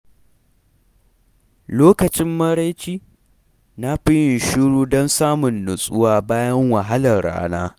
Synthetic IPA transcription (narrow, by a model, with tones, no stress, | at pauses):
loː˦kɐ˨t͡ʃɪ˦mːɐ˦ɾa˦jt͡ʃiː˦ | na˦ɸɪ˦jɪ˨nʃʊ˦ɽuː˦dɔ˦nsaː˦mʊ˨nːʊ˨sʼʊ˦waː˦baː˦jɐ˦ŋwɐ˨ɦa˦lɐ˨rɽa̰ː˦naː˦